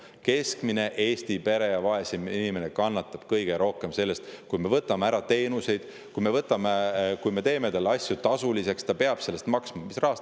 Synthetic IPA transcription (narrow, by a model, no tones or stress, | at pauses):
ke̞skmine̞ʔe̞ːst̪ipe̞ɾe̞jɑvɑesiinime̞nekɑnːɑt̪ːˑɑb̥kɤjɡ̥e̞ɾo̞hke̞mse̞lːe̞st̪kujme̞vɤt̪ːˑɑmeæɾɑt̪e̞ːnuse̞jd̪̥ | kujme̞vɤt̪ːˑɑmekujme̞t̪e̞ːme̞t̪ɑlːɑsʲjut̪ɑsulise̞kst̪ɑpe̞ɑb̥se̞lːest̪mɑksmɑmisrɑɦɑs